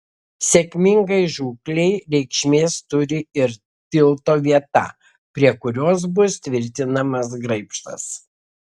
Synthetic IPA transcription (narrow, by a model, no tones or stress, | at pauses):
sʲɛkʲmʲɪŋɡɐɪʒuːklʲɛɪɾʲɛɪkʃʲmʲeːst̪ʊɾʲɪɪɾ | t̪ʲɪlˠt̪oːʋʲiɛt̪ɑ̰ | pʲɾʲiɛkʊɾʲoːs̬bʊst̪ʲʋʲɪɾʲt̪ʲɪnɐmɐs̬ɡɾɐɪpʃt̪ɐ̰s